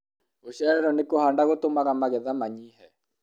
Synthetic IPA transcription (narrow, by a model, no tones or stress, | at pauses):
oɕɛɾɛɾɔnekohandaɣotomaɣamaɣɛðamaɲihɛ